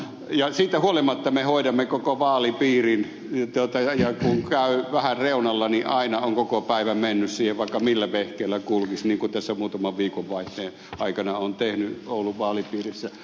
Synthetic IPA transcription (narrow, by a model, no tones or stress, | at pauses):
jɑsiːt̪æhuolimɑt̪ːɑmehoˑiɾɑmːekokoʋɑːlipiːrin | t̪uot̪ɑɑjɑkuŋkæˑyʋæhærreˑunɑlːɑniʔɑinɑoŋkokopæˑiʋæmenːyssiːheʋʋɑˑikːɑmilːæʋehkeilːækulkisniːŋkut̪æsːæmuːt̪ɑmɑʋʋiːkoʋʋɑˑiht̪ˑeː | ʔɑikɑnɑont̪ehnyoˑulːuʋʋɑːlipiːrisːæ